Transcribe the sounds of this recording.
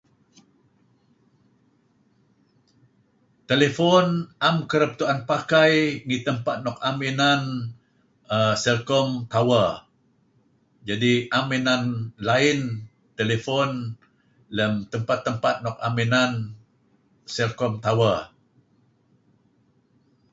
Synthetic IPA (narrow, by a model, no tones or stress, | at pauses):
t̪elefɔnʔamkəɾəp̚t̪uanpakajŋit̪əmpat̪̚nɔk̚amenan | əsɛlkɔmt̪awa | d͡ʒadiʔamenanlaɪn | t̪elefɔn | ləmt̪əmpat̪ːəmpat̪̚nɔk̚amenan | sɛlkɔmt̪awa